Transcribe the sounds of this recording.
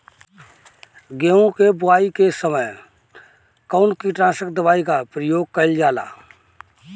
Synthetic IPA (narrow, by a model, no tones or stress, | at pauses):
ɡeːõkebʊaːikesəməj | kəːnkiʈɾãːsəkd̪əʋaːikapɾəjoːɡ̚kəld͡ʒaːla̰ː